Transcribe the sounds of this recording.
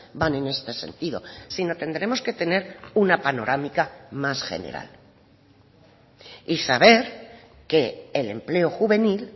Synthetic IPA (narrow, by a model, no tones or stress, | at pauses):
banẽ̞ne̞st̪e̞se̞̰nt̪iðo̞̰sino̞t̪e̞nd̪ɾe̞mo̞ske̞t̪e̞ne̞ɾunapano̞ɾʔamikamasxe̞̰nḛɾa̰l | isaβe̞ɾ | ke̞ːle̞̰mple̞o̞xuβe̞nil